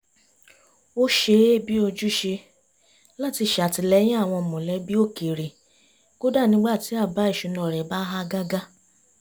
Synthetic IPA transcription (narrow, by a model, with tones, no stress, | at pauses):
o˦ʃe˧˦bi˦o˧d͡ʒu˦ʃe˧ | la˦˨ti˧ʃa˨ti˧lɛ˦j̃ĩ˦a˦˨w̃ɔ̃˧˨mũ˨lɛ˨˦bi˦o˦˨ke˨ɾi˨ | ɡ̥o˦da˦˨nĩ˨˦ɡ͡ba˦˨ti˨˦a˦˨ba˨˦i˦˨ʃu˧nɔ̃˨ɾɛ˨ba˦ɦa˦ɡa˦ɡa˦